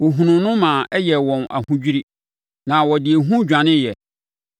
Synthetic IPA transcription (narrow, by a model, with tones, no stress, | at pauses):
wo˨ɦũ˨nʊ̃˨nʊ̃˦mã˨ɛ˦jɛ˨wɔ̃˨na̰˨hũ˦d͡ʑᶣi˦ɾi˦ | nã˨wɔ˨dɪ˨e˨ɦũ˦d͡ʑᶣã˨nɪ̃˦jɛ˨